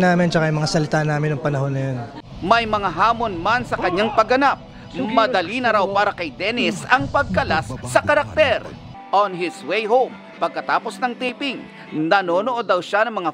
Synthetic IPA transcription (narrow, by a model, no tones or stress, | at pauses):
naːmɪnt͡ʃɐkaʔjmɐŋasɐlɪt̪anaːmɪnɐŋpɐnɐɦo̞nːɐjonmɐjmɐŋaɦaːmo̞nmansɐkɐɲːaŋpɐɡɐnap̚ | mɐd̪ɐlinɐɾawpaːɾɐkɐjd̪ɛnɪsɐŋpɐɡ̚kɐlasːɐkɐɾɐk̚t̪ɛɾ | ʔonɦɪswejɦowm | pɐɡ̚kɐt̪aːposnɐŋt̪iːpɪŋ | nɐno̞ːnoʔod̪ɐwʃanɐŋmɐŋa